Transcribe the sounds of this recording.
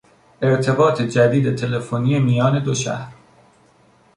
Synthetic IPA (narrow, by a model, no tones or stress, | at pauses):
ʔeɾt̪ʰe̞bɒːt̪ʰe̞d͡ʒæd̪iːd̪e̞t̪ʰe̞le̞fonijemijɒːne̞d̪oʃæ̰hɾ